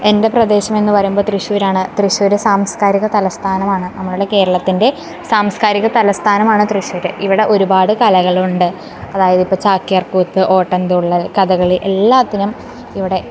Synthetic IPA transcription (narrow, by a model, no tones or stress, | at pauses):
e̞nde̞prɐd̪e̞ːɕɐme̞nːɨpɐɾɐjumboɭt̪riɕuʋːɾaːɳɨt̪riɕʋɐɾɨsaːmskaːɾiɣɐt̪ɐlɐst̪ʰaːnɐmaːɳɨnɐmːɐɭuɽe̞ke̞ːɾɐɭɐt̪ːinde̞ | saːmskaːɾiɣɐt̪ɐlɐst̪ʰaːnɐmaːɳɨt̪riɕuʋɐɾɨʔiʋiɽe̞ʔo̞ɾubaːɽɨkɐlɐɣɐɭuɳɖɨ | ɐðaːjɐðipːo̞ːt͡ɕaːkːjɐrkuːt̪ːɨʔo̞ːʈːɐnd̪ɨuɭːɐkɐðɐɣɐɭiʔe̞lːaːt̪ːinɐm | iʋiɽe̞